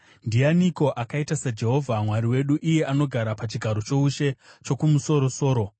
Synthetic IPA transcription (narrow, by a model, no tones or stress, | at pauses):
ndijaniko̞ʔakaitasad͡ʒe̞ɦo̞vʱamwaɾiwe̞ɗuʔije̞ano̞ɡʱaɾapat͡ʃiɡʱaɾo̞t͡ʃouʃe̞t͡ʃo̞kumuso̞ɾo̞so̞ːɾo̞